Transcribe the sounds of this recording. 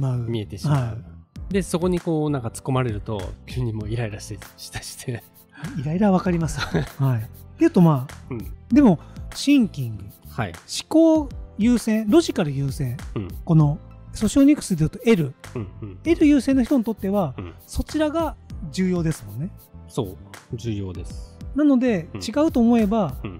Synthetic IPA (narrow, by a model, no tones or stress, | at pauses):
maɯmʲie̞t̪e̞ɕihaaid̪e̞so̞ko̞ɲ̟iko̞ːnãŋkat͡sɨ̥ko̞maɾe̞ɾɯ̟t̪o̞̰kʲʰɯɲ̟ːimo̞ːiɾaiɾaɕi̥t̪eɕi̥t̪aɕi̥t̪ʰe̞ | aiɾaiɾaβ̞akaɾʲimasɨ̥haijɯ̟t̪ːo̞mãːd̪e̞mo̞ɕĩŋkʲĩŋɡɯ̟haiɕi̥ko̞ːjɯːsẽ̞ɰɾo̞ʑikaɾɯ̟jɯːsẽ̞ko̞no̞so̞ɕioɲ̟ʲikːɯ̥sɨd̪e̞jɯ̟t̪oe̞ɾɯ̟ | e̞ɾɯ̟jɯ̟ːsẽ̞nːoçi̥t̪o̞ɲ̟it̪o̞t̪ːe̞βaso̞t͡ɕiɾaɡad͡ʑɨːjo̞ːd̪e̞sɨmõ̞nːe̞soːd͡ʑɨːjo̞̰ːd̪e̞sɨ̥nano̞d̪e̞t͡ɕiɡaɯ̟t̪o̞ːmo̞e̞ba